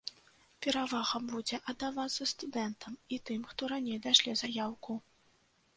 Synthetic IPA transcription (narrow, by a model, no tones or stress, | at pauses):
pʲɛɾavaɣɐbud͡zʲɛʔɐd̪ːavat̪sːɐst̪ud̪ɛnt̪ʰɐmit̪ɨmxt̪ɔɾanʲejd̪aʂlʲizajawku